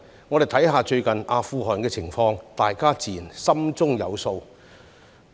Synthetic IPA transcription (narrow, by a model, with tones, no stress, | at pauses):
ŋɔː˨˧d̪e˨˩jt̪ʰɐ˨˥jɦaː˨˧t͡ʃɵ˧ɥkɐ˨˩naː˨˧fuː˧ɦɔː˨˩nkɛː˧t͡sʰɪ˨˩ŋfɔː˧ŋt̪aː˨jkaː˥t͡siː˨˩nsɐ˥mt͡sʊ˥ŋjɐ̰˨˧wso˧w